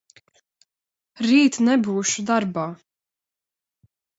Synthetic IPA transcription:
ɾiːt̪nɛbuːʃud̪aɾbaː

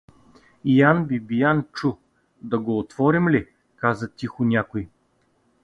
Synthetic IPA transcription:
ijanbibijant͡ʃu | d̪ɐɡoːt̪v̥ɔɾimli | kazət̪ʲixʊnʲakʊj

